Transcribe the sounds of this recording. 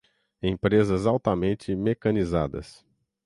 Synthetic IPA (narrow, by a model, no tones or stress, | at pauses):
ẽpɾezɐzawt̪ɐmẽnt͡ʃɪmekɐniza̰d̪ɐ̰s